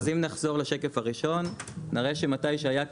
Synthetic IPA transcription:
zimnaχzo̞ʁleʃe̞kefaʁiʃo̞nːiʁeʃematajʃeaja

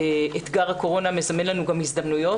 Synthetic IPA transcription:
et̪ɡaʁhako̞ʁo̞name̞zame̞nlanuɡamhizd̪amnujo̞

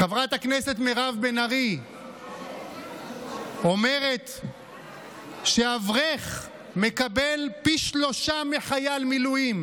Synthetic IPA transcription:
χavʁat̪akneset̪meʁavbenaʁi | o̞me̞ʁe̞t̪ | ʃeavʁeχ | mekabelpiʃlo̞ʃameχajalmilujim

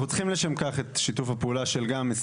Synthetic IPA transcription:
ut͡sχimleʃemkaχet̪ʃitufhapeuːlaʃelɡames

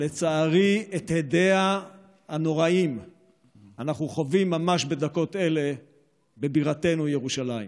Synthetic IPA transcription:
le̞t͡saːʁiet̪hedea | hano̞ʁaim | anaχnuχo̞vimːamaʃbe̞d̪ako̞t̪e̞le̞ | be̞biʁate̞nujeʁuʃalaḭm

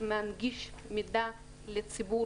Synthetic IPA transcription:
meanɡiʃmid̪a | let͡sibu

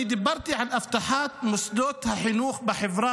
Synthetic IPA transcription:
d̪ɪbːɑɾˤt̪iʕanʔaft̪aħaːt̪mʊsˤd̪oːt̪haħɪnuːxbɪħɪvɾˤɑː

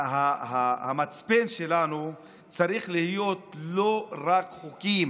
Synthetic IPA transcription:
hahahamat͡spenʃe̞lanu | t͡saʁiχlihijo̞t̪lo̞ʁakχukim

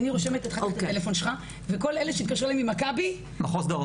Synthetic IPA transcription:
niʁoʃe̞met̪et̪χaoelefo̞nʃelχa | veko̞leleʃeit̪kaʃelaimimakabi | maχosd̪o

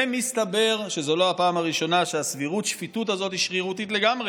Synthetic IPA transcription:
emist̪abe̞ʁʃe̞zo̞lo̞apaːmaʁiʃo̞naʃeasviʁutʃfitut̬azo̞t̪hiʃʁiʁutitle̞ɡamʁe

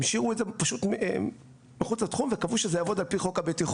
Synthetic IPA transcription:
mʃiʁuedzepaʃut̪m | miχut͡slat̪χumvekavuʃezejavo̞d̪alpiχokabetiχ

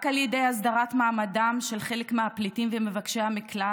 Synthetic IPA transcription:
kaljede̞jasdaʁatmaːmadamʃe̞lχe̞lekmeaplitimvemevakʃejhamikla

